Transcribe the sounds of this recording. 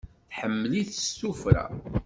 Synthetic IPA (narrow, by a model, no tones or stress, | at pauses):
θħəmːliθəsːufɾæ̰